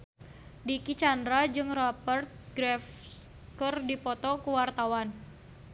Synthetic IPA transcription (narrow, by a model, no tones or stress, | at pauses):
dikit͡ʃandɾad͡ʒɨŋrɔpərt̪̚ɡɾɛf | kɨrdipɔt̪ɔkuwart̪awan